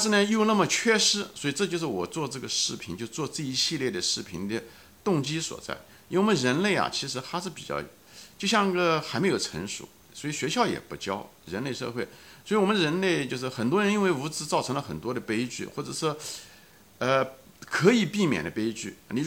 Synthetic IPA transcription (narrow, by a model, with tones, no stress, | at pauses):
ʂɻ̩˥˩nə˩i˥ʊ˧na˥˩mə˨t͡ɕʰɥɛ˥˧ʂɻ̩˥swɔ˧˥i˨˩ʈ͡ʂɤ˥˧t͡ɕjo˥˧ʂɻ̩˥˩wɔ˨˩t͡swɔ˥˧ʈ͡ʂɤ˥˩ɡə˩ʂɻ̩˥˩pʰi˧˥nt͡ɕjo˥˧ʊʂ̩˥˧t͡swɔ˥˧t͡sɹ̩˥˩i˧˥ɕi˥˧ljɛ˥˩d̪ə˩ʂɻ̩˥˩pʰi˧˥nd̪ə˧ | t̪ʊ˥˧ŋt͡ɕi˥swɔ̰˨˩t͡sa̰˥˩ɪ | i˧˥wwmə˧˦nɻə˧˥nle˥˩ɪɐ̰˨˩t͡ɕʰi˧˥ʂ̬ɻ̩˧˥t̪ʰa˥ʂɻ̩˥˩pi̥̰˨˩t͡ɕjɑ̰˥˩jt͡ɕjo˥˧ʊɕjɑ˥˧ŋi˥˩ɡə˧xa˧˥ɪme˧˥ɪjo˨˩ʊʈ͡ʂʰə̰˧˥ŋʂṵ˨˧˦ | swɔ˥i˨˩ɕɥɛ˧˥ɕjɑ˥˩ʊjɛ̰˨˩pu˧˥t͡ɕjɑ˥ʊ | ɻə˧˥nle˥˧ɪʂɤ̰˥˧xwe˥˩ɪswi˩wɔ˨˩mə˦nɻə˧˥nle˥˧ɪt͡ɕjo˥˧ʊʂ̬ɻ̩˥˩xə˨˩nt̪wɔ˥ɻə˧˥ni˥nwe˥˩ɪu˧˥t͡sɹ̩˧˥t͡sɑ˥˩ʊɤ˧˥ŋlə˧xə̰˨˩nt̪wɔ˥d̪ə˨pe˥ɪt͡ɕy̰˥˩xwɔ˥˩ʈ͡ʂɤ˨˩ʂwɔ˥ | ə˧ | kʰɤ˧˥i˨˩pi˥˩mjɛ̰˨˩nd̪ə˦pe˥ɪt͡ɕy̰˥˩ni˧˩